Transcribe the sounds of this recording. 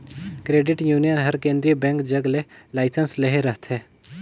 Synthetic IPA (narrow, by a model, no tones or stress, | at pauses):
kɾeːɖɪʈjuːnijənɦɐɾkẽːnd̪ɾiəbɛ̃ːŋkd͡ʒɐɡlelaːɪsənsleɦeɾəɦt̪ʰɦɛː